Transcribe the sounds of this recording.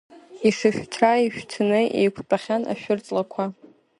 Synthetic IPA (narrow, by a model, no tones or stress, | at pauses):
isɨχʲtʰraiʃᶣtʰɨnɨʔḛjkʷʰpʼaχʲana̰ʃᶣʊrt͡sʼlakʷʰa